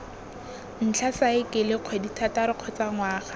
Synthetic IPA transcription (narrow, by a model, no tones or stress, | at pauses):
n̩t͡ɬʰasaɪkɪlɪq͡χʰweditʰataɾɪq͡χʰɔt͡saŋwaːχḁ